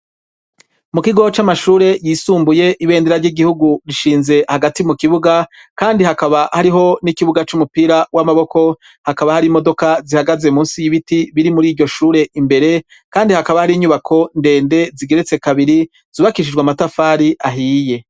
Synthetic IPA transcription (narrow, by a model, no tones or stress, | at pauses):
mukiɡo̞t͡ʃamaʃuːɾe̞jiːsuːmbuje̞ʔiβe̞ːndeɾaɾɟiɡihuɡuɾiʃiːnze̞haɡatimukiβuɡakaːndiɦakaβahaɾiɦo̞nikiβuɡat͡ʃumupiːɾawamaβo̞ko̞ | hakaβahaɾimo̞do̞kazihaɡaze̞muːnsijiβitiβiɾimuɾiːɾɟo̞ʃuːɾe̞ʔimbe̞ɾe̞ | kaːndihakaβahaɾiːɲuβakʰo̞nde̞ːnde̞ziɡe̞ɾet͡se̞kaβiɾi | z̥uːβakiʃ̬id͡ʒɡwamatafaːɾiʔaɦiːje̞